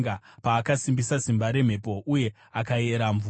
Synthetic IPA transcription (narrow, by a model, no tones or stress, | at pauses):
ɡapaːkasimbisasimbaɾe̞m̤e̞po̞ʔuje̞ | akae̞ɾaɱvuː